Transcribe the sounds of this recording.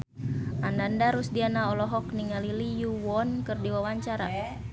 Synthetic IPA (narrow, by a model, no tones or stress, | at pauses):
ʔandandaɾusdianaɔlɔɦɔk̚niŋalilijuwɔnkɨrdiwawaɲt͡ʃaɾa̰